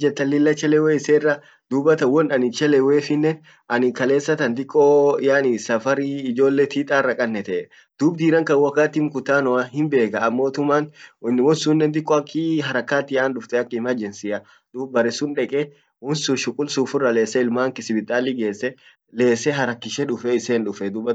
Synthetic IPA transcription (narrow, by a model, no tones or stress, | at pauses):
d͡ʒɛt̪ːɐlɪlːɐt͡ʃːɛlɛweːɪseːrːɐ | d̪̥uːbɐt̪ɐwɔnɐnɪt͡ʃɛlɛweːfɪnːen | ɐnɪkɐle̞ːsːɐt̪ɐnd̪ɪkʼːɔjaːnɪsɐfɐɾiːd͡ʒo̞ːlːet̪iːt̪ʼaːrːɐkʼɐnːɛt̪ɛʔɛ | d̪̥uːbd̪iːɾɐŋkɐwɐkːaːt̪ːɪmkʊt̪aːnɔɐhɪmbe̞ːkɐːmːo̞ːt̪ʊmːaːnnːɪwɔnsuːnːɛnd̪̬ɪkʼːɔɐkːɪɦɐɾɐkːaːt̪ːɪaːnᶑʊft̪ɛɐkːɪɪmɐd͡ʒɛnsɪʔɐ | d̪̥uːbbɐɾɛsʊnᶑɛkʼɛ | wɔnsʊʃʊkʼʊlsuːfʊrːɐle̞ːsːɛɪlmaːŋkɪsɪbɪt̪ʼːaːlːiɡe̞ːsːɛ | le̞ːsɛɦɐɾɐkːɪʃɛᶑʊfɛɪseːnᶑʊfɛd̪uːbɐ